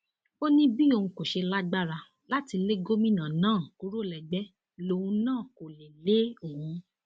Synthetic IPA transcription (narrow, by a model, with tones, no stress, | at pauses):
o˦nĩ˦bi˦o˧ũ˧ko˨ʃe˧la˦ɡ͡ba˦ɾa˧ | la˦ti˧le˦ɡo˦mĩ˦˨nã˨nãː˦˨ku˦ɾo˦˨lɛ˨ɡ͡bɛ˨˦ | lo˧˨ũ˧nãː˦˨ko˨le˨le˨˦o˨hũ˨˧